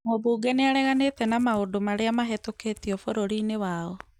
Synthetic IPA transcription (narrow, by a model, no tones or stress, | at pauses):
ŋobuːɡɛneaɾɛɣanetɛnamaodomaɾeamaɦɛtoketiɔfoɾoɾinewaɔ